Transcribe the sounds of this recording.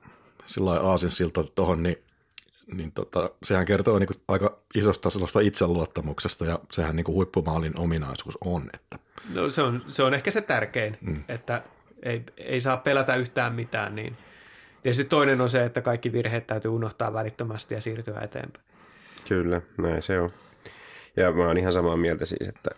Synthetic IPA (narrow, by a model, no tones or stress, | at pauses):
silːɑiʔɑːsinssilt̪ːot̪ohonni | nint̪o̰t̪ɑsehæŋkert̪oːniːŋkuʔɑikɑisost̪ɑselːɑst̪ɑit̪selluɑt̪ːɑmuksest̪ɑjɑsehænniːŋkuhuipːumɑːlinʔominɑisuːsonḛt̪ːæ̥ | no̰seonseonehkæset̪ærkeinet̪ːæ | eiḛisɑːppelæt̪æyht̪æːmmit̪æ̰ːnnḭːnt̪iet̪yst̪it̪oinenonseet̪ːækɑikːiʋirheːt̪t̪æyt̪yːunoht̪ɑ̰ːʋʋælit̪ːømæst̪ijɑsiːrt̪yæ̰ḛt̪ḛːmpæ̥i | kylːænæiseo | jɑmæonihɑnsɑmɑːmiælt̪æsḭːsḛt̪ːæ̰